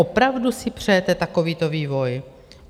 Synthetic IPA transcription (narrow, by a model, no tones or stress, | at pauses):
opɾavdusɪpr̝̥ɛjɛt̪ɛt̪ako̞viːt̪o̞viːvo̞j